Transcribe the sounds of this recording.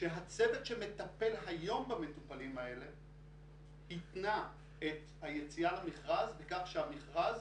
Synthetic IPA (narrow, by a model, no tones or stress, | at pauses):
ʃeɦat͡sevet̪ʃeme̞t̪ape̞lɦajo̞mbame̞tupalimae̞le̞ | hit̪na | et̪ | haje̞t͡sialamiχʁazvekaχʃeamiχʁaz